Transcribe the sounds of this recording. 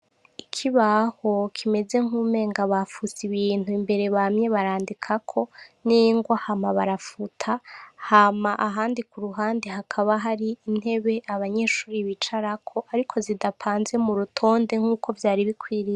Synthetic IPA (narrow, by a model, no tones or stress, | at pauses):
ikʰiβaho̞kʰime̞ze̞ŋ̥uːme̞ːŋɡaβafusiβiːn̥huimbe̞ɾe̞βamɲe̞βaɾaːndikʰakʰo̞niŋɡwahamaβaɾafutʰahamaʔaɦaːndikuɾuɦaːndiɦakʰaβaɦaɾiːn̥he̞βe̞ʔaβaɲe̞ːʃuːɾiβit͡ʃaɾakʰo̞ʔaɾikʰo̞zidapʰaːnze̞muɾutʰo̞ːnde̞ŋ̥huːkʰo̞vjaːɾiβikwiːɾia